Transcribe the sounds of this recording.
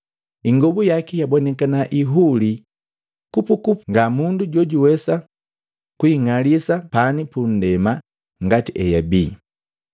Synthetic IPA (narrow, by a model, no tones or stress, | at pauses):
iŋɡɔbujakijabɔnɛkanaʔiɦuli | kupukupŋɡamunduɟwɔɟuwɛsa | kuiŋalisapanipun̩dɛma | ŋɡatiʔɛjabiː